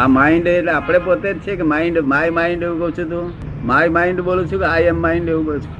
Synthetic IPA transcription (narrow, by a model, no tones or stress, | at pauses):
amaiɳɖeʈleapɽ̃epot̪et͡ʃʰekemaiɳɖmajmaiɳɖeʋũkət͡ʃʰũt̪̬ũ | majmaiɳɖbolũt͡ʃʰũkeaemːaiɳɖeʋũkəut͡ʃʰu̥